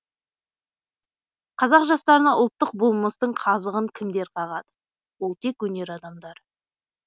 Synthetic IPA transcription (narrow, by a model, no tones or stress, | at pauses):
qʰɑzɑqʒɑst̪ɑɾənɑʔʊlˠt̪ːəq̚bʊlˠməst̪əɴqʰɑzəʁəŋkʲʰɪmd̪e̞ɾqʰɑʁɑd̪ə | wo̞lˠt̪ʰe̞kwɵne̞ɾɑd̪ɑmd̪ɑɾ